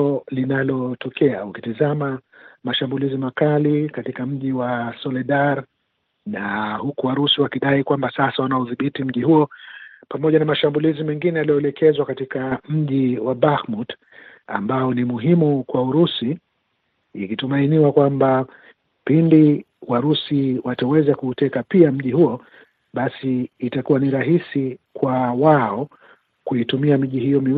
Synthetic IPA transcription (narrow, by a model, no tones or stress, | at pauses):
ɔlinalɔtʰɔkɛa̰ukitizamamaʃambulizimakalikatikam̩ʄiwasɔlɛɗaɾ | nahukuwaɾusiwakiɗaikwambasasawanaɔðiɓitim̩ʄihuɔpamɔʄanamaʃambulizimɛŋɡinɛjalijɔɛlɛkɛzwakatikam̩ʄiwaɓaxmut | a̰mbaɔnimuɦimukwauɾusiː | kitumainiwakwamba | pindi | waɾusiwatawɛzakuːtɛkapiam̩ʄihuɔ | ɓasiːtakuwaniɾaɦisikwawaɔ | kuitumiamiʄihijɔmiw